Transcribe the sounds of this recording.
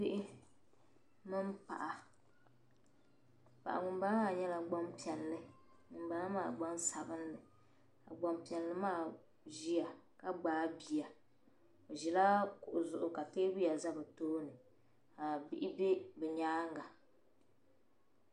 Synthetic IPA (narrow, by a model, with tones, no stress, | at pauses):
pɪ˦ʔɪ˦ | mɨ˦mpa̰˨ʔa˨ | pa̰˨ʔa̰˨ŋʊ˨mba˦aː˦˨ɲɛ˦la˨ɡ͡ba˦mpi˨ɛ˨nlɨ˦ | ŋʊ˨m˦ba˦la˦maː˦˨ɡ͡ba˦nsa˨bɨ˦nlɨ˨ | a̰˨ɡ͡ba˨mpi˨ɛ˨n˨lɨ˦maː˦˨ | ʒi˦a˨ka˦ɡ͡baː˨˦bi˨ja˨ | o˨ʒi˨la˦kʊ˨ʔʊ˨zʊ˨ʔʊ˨ka˨peː˦bɨ˦ja˨za˦bɨ˨toː˦nɨ˨ | a˨bi˦ʔɪ˦be˦bɛ˨ɲaː˦ŋɡa˨